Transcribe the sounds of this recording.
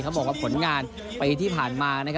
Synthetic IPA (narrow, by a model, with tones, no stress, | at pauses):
kʰa˦˥wbɔː˨˩k̚waː˥˩pʰo˩˦nŋaː˧n | pa˧jt̪ʰiː˥˩pʰaː˨˩nmaː˧na˥kʰ